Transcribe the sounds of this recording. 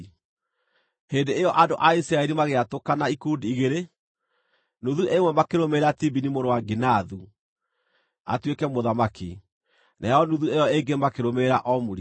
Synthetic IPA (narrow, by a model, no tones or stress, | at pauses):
heːndeːjɔʔandoʔaisɾaɛɾimaɣeatokanaikundiːɣeɾe | nuðuʔemwɛmakeɾomeɾatibinimoɾowaɡenaðu | a̰twekɛmoðamaki | nʔaɔnuðuejɔeŋɡemakeɾomeɾaʔɔmuɾi